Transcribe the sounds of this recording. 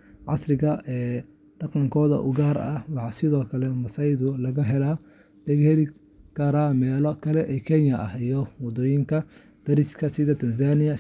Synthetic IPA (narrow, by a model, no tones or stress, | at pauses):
ʕɑ̰srɪɣɐʔɛː | ɖ̥ɑqɑŋkʰɔːðɐ̰ʔʊɣaːɾɐwɑħɑsɪðɔːkʰɐlɛmɐsɐjðʊlɐɣɐɦɛlaː | d̪̥ɐɣhɛðɪ | kʰɐɾaːmɛːlɔkʰɐlɛʔɛːkʰɛnɐɐhijɔwɑd̪ɔːjɪŋkʰɐ | d̪̥ɐɾɪskʰɐsɪðɐt̪ʰɐnsaːnɪjɐ